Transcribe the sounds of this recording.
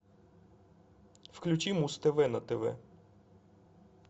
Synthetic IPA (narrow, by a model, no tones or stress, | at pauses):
fklʲut͡ʃimust̪ɛvɛnɐt̪ɛvɛ̰